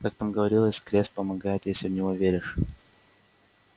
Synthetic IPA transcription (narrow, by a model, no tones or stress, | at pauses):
kak̚t̪amɡəvɐɾʲilˠəsʲkɾʲesʲt̪̚ʲpəmɐɡajɪt̪jesʲɪvnʲɪvovʲeɾʲɪʂ